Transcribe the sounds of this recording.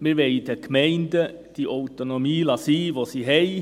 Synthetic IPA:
mɪɾʋɛɪd̥ɛkmɛɪndəd̥iʔɔʊtonomiːlɑsiːʋosiːɦɛɪ

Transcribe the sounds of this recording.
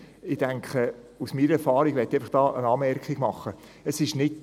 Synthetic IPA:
ɪd̥æŋkʰə | usmiːɾəɛɾfɑːɾiɡ̥ʋɛtːeaɪfɪχd̥ɑːʔənɑːmɛrkχiɡ̥mɑχːə | əsɪʃnɪt

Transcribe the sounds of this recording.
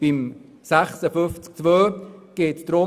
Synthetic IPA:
b̥im | sæχsəfʏft͡sk̚t͡svøːɡ̥eːtd̥̪ɾo

